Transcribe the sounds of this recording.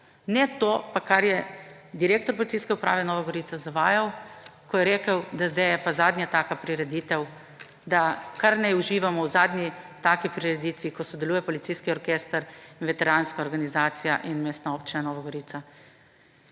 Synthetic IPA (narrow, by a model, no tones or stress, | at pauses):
nɛt̪opakaɾjɛd̪iɾeːkt̪ɔɾpɔlit̪sijskɛupɾa̰ːʋɛnɔːʋaɡɔɾiːt̪azaʋaːjawkɔjɛɾeːkəwd̪azd̪ɛjɛpazaːd̪nʲjat̪aːkapɾiɾɛd̪it̪ɛw | d̪akaɾnɛjuʒiːʋamɔwzaːd̪nʲit̪aːkipɾiɾɛd̪iːt̪ʋikɔsɔd̪ɛluːjɛpɔlit̪siːskiɔɾkeːst̪əɾinʋɛt̪ɛɾaːnskaɔɾɡanizaːt̪sijaʔinmeːst̪naoːpt͡ʃinanɔːʋaɡɔɾiːt̪sa